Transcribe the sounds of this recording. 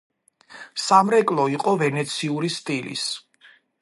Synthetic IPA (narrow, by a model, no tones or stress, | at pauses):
samɾɛkʼlˠɔiqʼɔvɛnɛt̪sʰiuɾist̪ʼilḭs